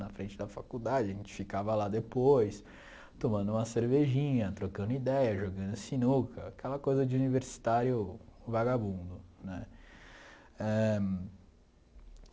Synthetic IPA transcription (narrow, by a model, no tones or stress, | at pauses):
nɐfɾẽnt͡ʃɪd̪ɐfakud̪ad͡ʒɪɐʒẽt͡ʃɪ̥fikavɐlad̪epojs | t̪omɐ̃nd̪ʊũmɐseɾveʒĩɲɐt̪ɾokɐ̃nd̪ʊid̪ɛjɐʒoɡɐ̃nd̪ʊsinukʰɐakʰɛlɐkojzɐd͡ʒɪuniveɾsi̥t̪aɾjʊvaɡabũnd̪ʊnɛ | ɛ